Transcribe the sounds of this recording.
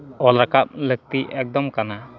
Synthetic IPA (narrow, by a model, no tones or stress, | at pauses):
ɔlɾakap̚lək̚t̪iʔɛk̚d̪ɔmkana